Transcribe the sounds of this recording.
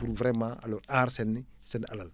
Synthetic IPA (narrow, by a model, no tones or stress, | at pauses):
uɾvɾɛmãa̰lɔːɾaːɾsɛnːɪsɛnalal